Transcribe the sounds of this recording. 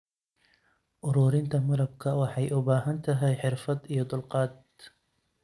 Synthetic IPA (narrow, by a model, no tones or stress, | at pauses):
ʔʊɾʊːɾɪnt̪ʰɐmɐlɐb̚kʰɐwɑħɑjʔʊbaːɦɐnt̪ʰɐɦɛjħɪrfɐd̪ijɔd̪ʊlqɑːd̪̚